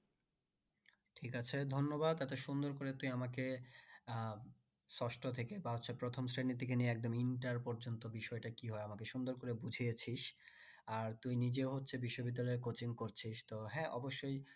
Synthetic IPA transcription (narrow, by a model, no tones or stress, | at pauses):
ʈʰikat͡ɕʰed̪ʱonːobad̪at̪eʃund̪oɾkoɾet̪ujamake | sɔʃʈʰot̪ʰekebaɦotːɕʰepɾot̪ʰomsɾenit̪ikenieɛk̚d̪omiɳʈaɾpɔɾd͡ʑont̪obiʃɔeʈakiɦɔeamakeʃund̪oɾkoɾebud͡ʑʱiet͡ɕʰiʃ | aɾt̪ujnid͡ʑeoɦotːʰebiʃːobid̪ːalɔeɾkot͡ɕiŋkoɾt͡ɕʰiʃt̪oɦɛʔɔ̰boʃːoj